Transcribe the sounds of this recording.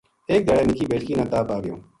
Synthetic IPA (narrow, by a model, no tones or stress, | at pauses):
eːk̚d̪əɽeːnɪkʰiːbeːʈʰkiːnãːt̪aːpaːɡɪjõ̰ː